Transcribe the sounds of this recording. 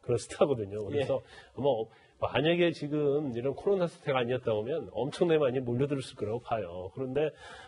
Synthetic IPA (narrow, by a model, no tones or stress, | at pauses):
kɯɾʌsʰɯ̥tʰaɡʌdɯɲokɯɾesʰʌʌma | maɲaɡe̞t͡ɕiɡɯmiɾʌnkʰoɾonasʰtʰe̞ɡaɲiʌt̚t͈abomjʌnʌ̰mt͡ɕʰʌŋnemaɲimoʎːʌdɯɾɯɭs͈ɯɭk͈ʌɾaɡopʰajokɯɾʌnde̞